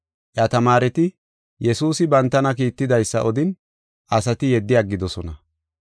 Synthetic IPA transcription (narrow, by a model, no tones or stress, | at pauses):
ʔjɐt̪ɐmaːɾɛt̪ɪ | jɛsuːsɪbɐnt̪ːɐnɐk̬iːt̪ːɪd̪ɐjsːɐʔɔd̪ɪn | ʔɐsɐt̪ɪjɛd̪ːɪjaɡːɪd̪ɔsɔnɐ